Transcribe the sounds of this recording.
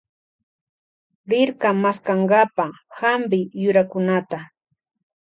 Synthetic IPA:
ɾɪɾkamaskaɴɢɑpahambɪjʊɾakʊnat̪a

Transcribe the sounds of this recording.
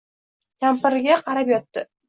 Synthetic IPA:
kʲʰampɪɾɡʲaqʰɑɾapjɒt̪ːɪ

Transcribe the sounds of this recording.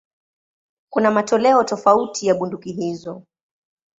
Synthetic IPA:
kunamatɔlɛɔtɔfautʰijaɓundukiɦizɔ

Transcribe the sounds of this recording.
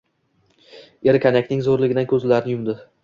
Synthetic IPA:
eɾkʰʲanakʲnɪŋzoɾlɪɡʲɪd̪ankʰɵzlaɾnɪjʊmd̪ɪ

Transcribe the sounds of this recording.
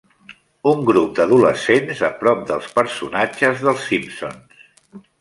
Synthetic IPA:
uŋɡɾup̚d̪əðuləsenzəpɾɔp̚d̪əlˠspəɾsṵnad͡ʒəzðəlˠsːimpso̰ns

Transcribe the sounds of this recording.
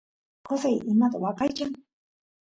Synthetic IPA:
qosajʔɪmat̪awɑqɑjt͡ʃaŋ

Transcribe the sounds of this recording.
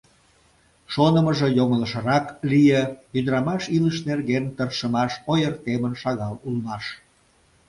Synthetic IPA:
ʃonəməʒejoŋələʃə̆ɾɑklijəjyd̪əɾɑmɑʃiləʃnerɣent̪ərʃəmɑʃojərt̪emənʃɑɣɑlulmɑʃ

